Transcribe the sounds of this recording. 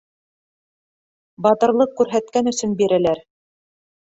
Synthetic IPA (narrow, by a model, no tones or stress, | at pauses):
bɑt̪ɤ̆ɾlˠɤqkːʉɾɦæt̪̚kænɵ̆sɵnbiɾælæɾ